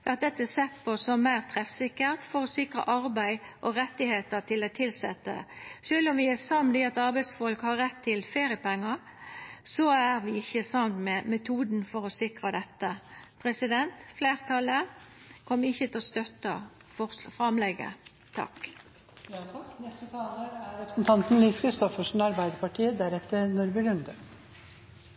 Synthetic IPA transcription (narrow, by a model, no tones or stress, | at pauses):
ɑt̪̚d̪ɛt̪ːəsɛt̪ːpʰosɔmːæɪʁt̪ʰʁɛfsɪkːəʁt̪fɔɾɔsɪkʁɑ̰ʔɑɾbæɪʔɔɾɛt̪ːɪheːt̪ət̪ʰɪlot̪ʰɪlsɛt̪ːə̰ʂøːlɔmʋɪæsɑmd̪iɑt̪ɑʁbæɪd̪sfɔlkhɑɾɾɛt̪ʰːɪlfeːɾɪəpɛŋːəɾ | sɔæɾʋɪɪçːəsɑmt̪mɛmɛt̪ʰuːd̪n̩fɔɾɔsɪkʁɑd̪ɛt̪ːəpʰɾɛsɪd̪ɛnt̪fleːʁt̪ʰɑlə | kʰɔmːəɪçːət̪ɪlɔst̪œt̪ːə | fɔfʁɑmlɛɡə̰ | t̪ʰɑ̰k | nɛst̪ət̪ʰɑːnoːɾæɾɾɛpɾəsn̩t̪ʰɑnt̪n̩liːskʰɾɪst̪ɔfəʂn̩ɑɾbæɪd̪əɾpɑʈʰiːəd̪æɾɛt̪ʰːəɾnʊɾbɪlʉnd̪ə